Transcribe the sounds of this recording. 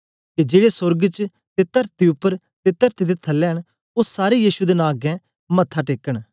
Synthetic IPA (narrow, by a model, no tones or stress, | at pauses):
ked͡ʒeːɽesʊɾɡt͡ʃ | t̪et̪ɐɾt̪iʊpːəɾ | t̪et̪əɾt̪id̪et̪ʰɐlːɛɦəɽ | osaːɾejiːʃud̪enãːɡɛ̃ | mɐt̪ʰːaʈeːkːəɽ̃